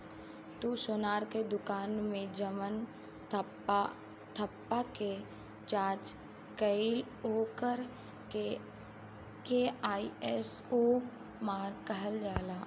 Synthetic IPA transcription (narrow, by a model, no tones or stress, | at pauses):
t̪usʊːnaːɾked̪ʊkaːnmẽd͡ʒəmən | t̪ʰəpːake | t͡ʃaːt͡ʃ | kəɪl | oːkəɾ | e | keaːiɛs | oː | maːɾɡkːəɦəld͡ʒaːlaː